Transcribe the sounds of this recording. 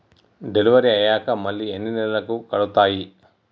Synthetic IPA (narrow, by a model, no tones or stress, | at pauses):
ɖe̞liʋɐɾiɐjaːkɐmɐlːienːinilɐlɐkukɐɭut̪aːji